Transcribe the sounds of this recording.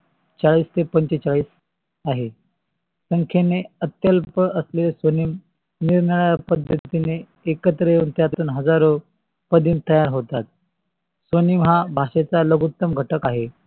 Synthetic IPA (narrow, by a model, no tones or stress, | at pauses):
t͡ɕaɭiːst̪epəɲt͡ɕet͡saɭiːs | aɦe | səŋkʰeneət̪jəlpəəslesʋəniːm | niɾnəɭəjapəd̪ʱːət̪ineː | kət̪ɾəjeunt̪jat̪uːnɦəd͡zaɾo | pəd̪ʱiːmt̪əjaɾɦot̪at̪̚ | sʋənimɦabʱaʂet͡saləɡut̪ːəmɡʱəʈəkaɦe